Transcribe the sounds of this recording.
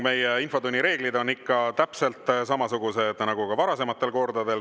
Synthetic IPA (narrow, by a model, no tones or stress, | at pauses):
me̞jeinfo̞d̪unʲːiɾe̞ːɡ̥lid̪o̞nːikːɑt̪æpse̞lt̪ˑs̬ɑmɑsuɡ̥use̞d̪nɑɡukɑvɑɾɑse̞mɑt̪ːˑe̞lko̞rd̪ɑd̪e̞l